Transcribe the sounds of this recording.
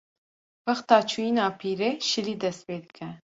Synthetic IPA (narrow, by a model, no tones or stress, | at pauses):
wɐxt̪ɑːt͡ʃʰuːjiːnɑːpʰiːɾeːʃɨliːd̪ɛst̪̚peːd̪ɨkʰɛ